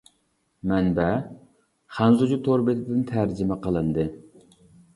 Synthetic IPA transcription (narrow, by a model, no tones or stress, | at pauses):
mɛnbɛ | χɑnzud͡ʒut̪ʰoɾbɨt̪ʰɪd̪ɪnt̪ʰæɾd͡ʒɪmɛqəlˠɨnd̪ɨ